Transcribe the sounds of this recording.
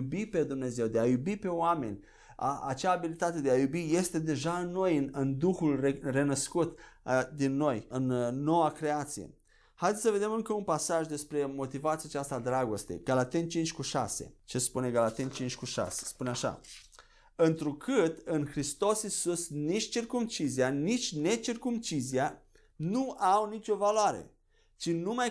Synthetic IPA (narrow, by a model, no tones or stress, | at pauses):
ubipe̞d̪umne̞ze̞wd̪e̞ajubipe̞oame̞nʲ | aa̰t͡ʃaːbilit̪at̪e̞d̪eajubije̞st̪e̞d̪e̞ʒaɨnːo̞jɨnɨnd̪uxulere̞nəskut̪d̪inːo̞jɨnːo̞wakɾe̞at̪sije̞̰ | hajd̪et̪ʲsəve̞d̪e̞mɨŋkəunpasaʒd̪e̞spɾe̞mo̞t̪ivat̪sijat͡ʃast̪ad̪ɾaɡo̞st̪e̞̰ɡ̥alat̪ent͡ʃint͡ʃkuʃa̰se̞̰t͡ʃe̞spune̞ɡalat̪ent͡ʃint͡ʃʲkuʃa̰se̥spuneaʃa̰ | ɨnt̪ɾukʰɨt̪ɨnxɾist̪o̞sisusnit͡ʃʲt͡ʃirkumt͡ʃizianit͡ʃʲne̞t͡ʃirkumt͡ʃizia | nuawnit͡ʃʲo̞valoaɾḛ | t͡ʃinuma